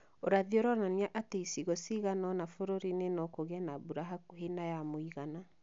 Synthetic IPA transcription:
oɾaðioɾɔnaniaʔateisiɣosiɣanɔnafoɾoɾinenɔkoɣɛnabuɾaɦakɦenajamoiɣana

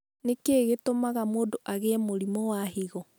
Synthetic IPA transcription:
nekeɣetomaɣamoːndoʔaɣemoɾimɔwaɦiɣɔ

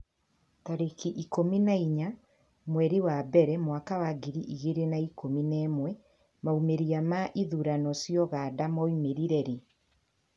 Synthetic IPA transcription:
taɾekiʔikominaiɲa | mwɛɾewabɛɾɛmwakawaɡiɾiʔiɣeɾenaikominɛːmwɛ | maumeɾiamaʔiðuɾanɔsjɔɣadamɔimeɾiɾɛɾe

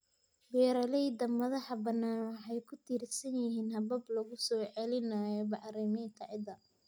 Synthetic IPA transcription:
bɛːɾɐlɛjd̪ɐmɐðɐħɐbɐnːaːnwħɑjkʰʊt̪ʰiːrsɐnjɪɦiːnhɐbɐblɐɣʊsɔːʕɛlɪnaːjɔbɑʕɾiːmɛjnt̪ʰɐʕɪd̪ɐ

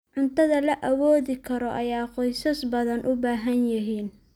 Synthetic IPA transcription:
ʕʊnt̪ʰɐðɐlɐʔɐwɔːðɪkʰɐɾɔʔɐjaːqɔjsɐsbɐðɐnʔʊbaːɦɐnjɐɦiːn

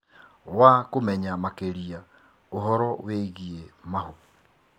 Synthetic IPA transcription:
wakomɛɲamakeɾia | oɦɔɾɔweɣiemaɦo

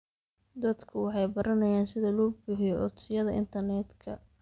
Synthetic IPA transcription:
d̪ɐd̪kʰʊwɑħɑjbɐɾʔɐnɐjaːnsɪðɐlɔːbʊħɪjɔʔʊt̪sɪjɐðɐʔɪ̰nt̪ʰɐrnɛt̪kʰɐ̰

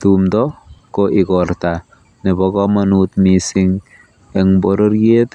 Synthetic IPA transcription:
tumdɔkoʔɪkɔrta | nebɔkɔmanut̪misiŋ | ɛŋboɾorjet

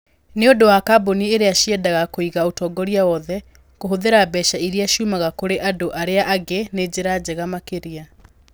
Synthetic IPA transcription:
neondowakabonieɾeaʃiɛdaɣakoiɣaotɔːɡɔɾiawɔðɛ | koɦoðeɾabɛʃaiɾiaʃuːmaɣakoɾeʔadoʔaɾeaʔaɡened͡ʑeɾad͡ʑɛɣamakeɾia

